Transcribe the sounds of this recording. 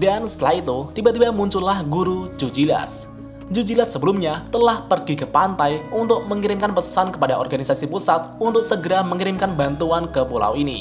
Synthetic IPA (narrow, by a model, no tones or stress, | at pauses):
dansə̥t̪əlahit̪ut̪ibat̪ibamuɲt͡ʃʊlahɡuɾud͡ʒud͡ʒila̰s | d͡ʒud͡ʒilasːəbəlʊmɲat̪əlahpərɡikəpant̪ajunt̪ʊk̚məŋiɾɪmkanpəsankəpadaɔ̰rɡanisasipusat̪̚unt̪ʊk̚səɡəɾaməŋiɾɪmkanbant̪uankəpula̰winḭ